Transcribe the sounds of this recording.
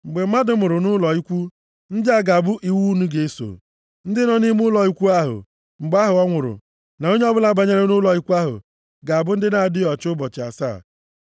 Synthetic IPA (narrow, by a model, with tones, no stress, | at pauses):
ŋ͡m̩˨ɡ͡be˨˦ma˦dʊ˦mʊ˨ɾʊ˨nʊ˦lɔ˨i˦kʷu˦ | n̩˦dɪ˦a˦ɡa˨bʊ˦ʔi˨wu˦nu˦ɡe˨e˦so̰˨ | n̩˦dɪ˦nɔ˨ni˦m˦ʊ˦lɔ˨i˦kʷu˦a˦ɦʊ̰˨ | ŋ͡m̩˨ɡ͡ba˦ɦʊ˨ɔ˦ŋʷʊ˨ɾʊ̰˨ | na˨o˦ɲe˦ɔ˦bʊ˦la˦ba˨ɲe˦ɾe˦nʊ˦lɔ˨i˦kʷu˦a˦ɦʊ̰˨ | ɡa˨a˨bʊ˦n̩˦dɪ˦na˨a˨dɪ˦ɔ˨t͡ʃʊ˦bɔ˨t͡ʃɪ˨a̰˨sa̰˦˨